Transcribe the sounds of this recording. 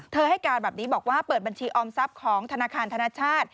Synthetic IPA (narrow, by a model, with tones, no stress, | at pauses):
t̪ʰɤː˧ha˥˩jkaː˧nbɛː˨˩p̚niː˦˥bɔː˨˩k̚waː˥˩pɤː˨˩t̪̚ba˧nt͡ɕʰiː˧ʔɔː˧msa˦˥p̚kʰɔː˩˦ŋt̪ʰa˧naː˧kʰaː˧nt̪ʰa˧naː˥˩t͡ɕʰaː˥˩t̪̚